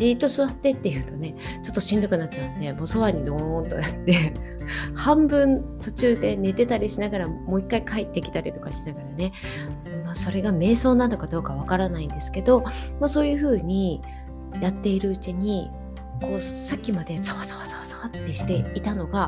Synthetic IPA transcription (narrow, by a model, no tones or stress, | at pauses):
d͡ʑiːt̪ːo̞sɨβat̪ːe̞t̪ːe̞jɯ̟ːt̪o̞ne̞ | t͡ɕo̞t̪ːoɕĩnd̪okɯ̟nat̚t͡ɕaɯnd̪e̞mo̞ːso̞βaɲ̟id̪õnt̪o̞̰jat̪ːe̞ | hãmbɯ̟̃nt̪o̞t͡ɕɨːd̪e̞ne̞t̪e̞t̪aɾʲiɕinaɡaɾamo̞ːikːaikait̪ːe̞kʲi̥t̪aɾʲit̪o̞kaɕinaɡaɾane̞ | maːso̞ɾe̞ɡame̞ːso̞ːnano̞kad̪o̞ːkaβ̞akaɾanaind̪e̞sɨ̥ke̞d̪o̞maso̞ːjɯ̟ɸɯ̟ːɲ̟i | jat̪ːe̞iɾɯ̟ɯ̟t͡ɕiɲ̟i | ko̞ːsakʲːimad̪e̞saβasaβat͡sḁat͡sḁat̪ːeɕi̥t̪e̞it̪ano̞ɡa